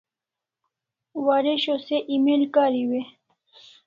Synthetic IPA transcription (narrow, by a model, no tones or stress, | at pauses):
waɾeɕoseʔimelkaːɾiwe